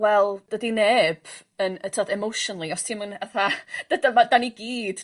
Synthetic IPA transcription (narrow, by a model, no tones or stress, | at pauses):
wɛlˠd̥ədineːb̥ | ənətʰɔdɛmowʃɔnlˠiɔstʰimənaθad̥adamadaniɡiːd̥